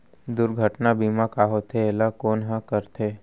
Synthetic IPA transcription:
d̪ʊɾɡʱəʈnabimãkaːɦot̪ʰeelakoːnɦãkəɾt̪ʰe

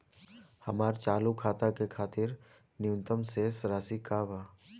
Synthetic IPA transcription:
hɐmaːɾt͡ʃaːlukʰaːt̪akekʰaːt̪ɪɾ | nɪjʊ̃nt̪əmsesɾaːsikaːbaː

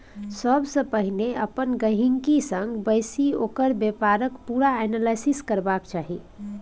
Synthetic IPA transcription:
səbsə̃pəɦineəpənɡəɦiŋkisəŋɡbəjsiokəɾbjepaɾəkpuɾaɛnalajsiskəɾbakt͡ʃaɦi

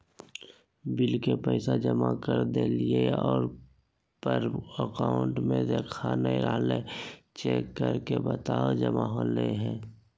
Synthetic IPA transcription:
bɪlkepəɪsad͡ʒəmakəɾd̪elieɔːɾ | pəɾəkaːʊɳʈmẽd̪eːkʰanəĩɾʔa̰ːɦlet͡ʃeːkːəɾkebət̪aːd͡ʒəmaɦoleɦɛ̃ː

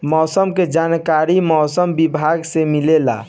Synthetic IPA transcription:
mɔːsəmked͡ʒankaɾimɔːsəmbibʱaɡsemilela̰

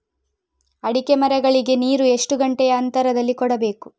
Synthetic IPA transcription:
ɐɽikemɐɾɛɡɐɭiɡe̞niːɾue̞ʂʈuɡɐɳʈɛjɐːnt̪ɐɾɐd̪ɐlːikɔɽɐbe̞ːku

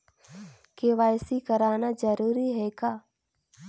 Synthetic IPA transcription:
keʋaːjsikəɾaːnad͡ʒəɾuːɾiɦɛːkaː

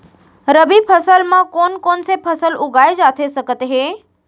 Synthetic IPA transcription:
ɾəbipʰəsəlmãkoːnkoːnsepʰəsəlʊɡʱaːed͡ʒaːt̪ʰesəkət̪ɦe

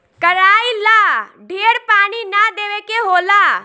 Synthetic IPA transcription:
kəɾaːilaː | ɖʱeːəɾpaːñiːnad̪eːʋeːkeɦoːlaː

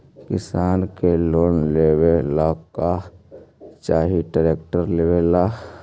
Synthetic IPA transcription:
kɪsaːnkeloːnlewelaːka | t͡ʃaːɦiʈaɾeːkʈəɾleːwelaː

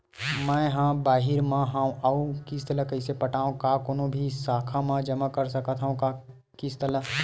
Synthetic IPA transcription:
mə̃ɦãbaːɦɪɾmãɦãʔaũkɪst̪ələkəɪsepəʈaːõkakoːnõbʱisaːkʰamãd͡ʒəmakəɾsəkət̪ʰɦaũka | kɪst̪ələ

